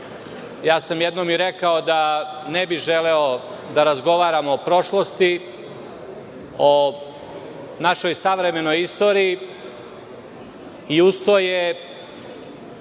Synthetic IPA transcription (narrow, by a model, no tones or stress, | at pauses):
jaːsamjed̪nomiɾekao̞d̪anebiʒeleo | d̪aɾazɡo̞ʋaːɾamoːpɾo̞ʃlˠo̞st̪i | o | naʃo̞jsaʋɾe̞me̞no̞jist̪o̞ːɾiː | iust̪oje